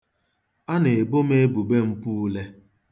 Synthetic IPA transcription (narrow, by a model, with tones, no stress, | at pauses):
a˦ne˨e˨bo˦me˦bu˨be˦m̩˦pu˦le˦